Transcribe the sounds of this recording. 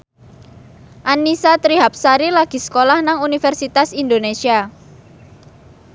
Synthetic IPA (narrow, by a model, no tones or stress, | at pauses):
ʔanisat̪ɾiɦap̚saɾilaɡ̥i̤sə̥kolahnaŋunifɛrsit̪asind̪onesia